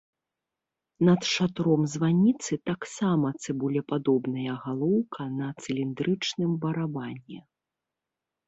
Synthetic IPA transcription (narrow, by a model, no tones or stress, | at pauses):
nɐt̪ʂat̪ɾɔmzvanʲit̪sɨt̪aksamɐt̪sɨbulʲɛpad̪ɔbnɐjɐɣalˠɔwkʰɐnɐt̪sɨlʲind̪ɾɨt͡ʂnɨmbɐɾabanʲːɛ